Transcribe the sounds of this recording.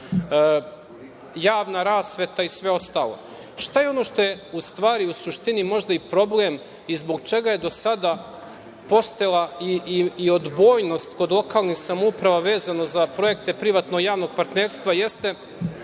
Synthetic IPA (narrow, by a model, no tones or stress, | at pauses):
jaːʋnaɾaːsʋe̞t̪aisʋe̞o̞st̪aːlˠo̞̰ | ʃt̪ajeo̞no̞ːʃt̪o̞je̞ust̪ʋaːɾiusuʃt̪inimo̞ʒd̪aipɾo̞blem | izbo̞ɡ̚t͡ʃe̞ɡaje̞d̪o̞sad̪a | po̞st̪ojelˠaiio̞d̪bo̞ːjno̞st̪ko̞d̪lˠo̞kaːlˠnixsamoupɾaʋaʋe̞ːzanozapɾo̞je̞kt̪epɾiʋat̪no̞ɡjaːʋno̞ɡ̚paɾt̪neːɾst̪ʋaje̞st̪e̞